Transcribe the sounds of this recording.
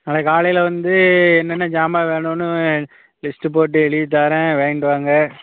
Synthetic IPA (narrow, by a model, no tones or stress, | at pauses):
nɐlɐkaːɭɐjɪlɐʋɐnd̪ɯɛnːɐnːɐd͡ʒaːmaːʋeːɳʊ̃nːɯ | lɪsʈɯpoːʈ̬ːɯɛɭɪʋt̪̬ːaːɾɛ̃ʋeːɖɯʋaːŋɡɐ